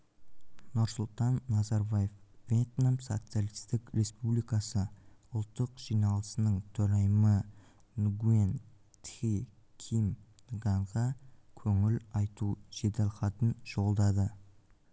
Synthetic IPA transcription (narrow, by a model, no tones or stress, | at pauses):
nʊɾsʊlˠt̪ɑnːɑzɑɾbaje̞fvʲet̪namso̞̰t̪sijalijst̪ɪkɾe̞spublijkɑsəʊlˠt̪ːəqʒ̥ijnɑlˠəsənəɴt̪ʰɵɾɑjmə | nuɡuen | t̪ij | kʲʰimnɡɑɴʁɑkʲʰɵŋɪlɑjt̪uʒ̥e̞d̪elˠqɑt̪ənʒo̞lˠd̪ɑd̪ə